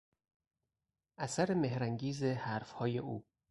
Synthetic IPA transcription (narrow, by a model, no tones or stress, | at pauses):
ʔæsæɾemehɾæŋɟiːzehæːɾfhɒːjeʔṵː